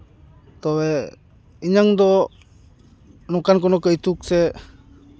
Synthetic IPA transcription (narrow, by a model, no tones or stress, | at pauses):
t̪ɔwɛ | iɲaŋd̪ɔ | nɔkank̬ɔnɔkəjt̪uk̚sɛ